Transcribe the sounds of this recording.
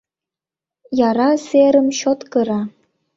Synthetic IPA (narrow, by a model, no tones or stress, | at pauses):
jɑɾɑseɾə̆mɕot̪kɤ̆ɾɑ